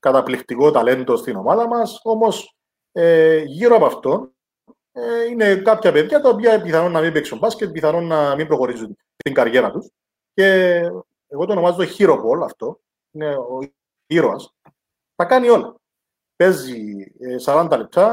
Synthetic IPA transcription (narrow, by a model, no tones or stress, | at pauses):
kɐt̪ɐplift̪iko̞t̪ɐle̞nd̪o̞st̪ino̞mɐðɐmɐso̞mo̞s | eʝiɾoɐpɐft̪o̞n | eine̞kɐpçɐpeðʝɐt̪ɐopiɐbiθɐnonːɐmimbiksumbɐscebiθɐnonːɐmimbɾo̞xo̞ɾizun | t̪t̪iŋɡɐɾʝe̞ɾɐt̪us | ce̞ː | ɣo̞t̪ono̞mɐzot̪oçiɾo̞po̞lɐft̪o̞ | ineo | çiɾoɐs | t̪ɐkɐnio̞lɐ | pe̞zisɐɾɐnd̪ɐlep̚t̪ɐ